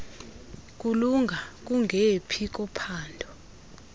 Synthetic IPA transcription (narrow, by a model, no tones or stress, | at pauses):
k̬ʼuluŋɡʱak̬ʼuŋʱepʰik̬ʼɔpʰaːndʱɔ